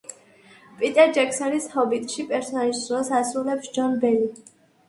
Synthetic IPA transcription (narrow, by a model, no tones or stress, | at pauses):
pʼit̪ʼɛɾd͡ʒɛkʰsɔnishɔbit̪ʼʃipʼɛɾsɔniʃsuɔsasɾulɛpsd͡ʒɔnbɛli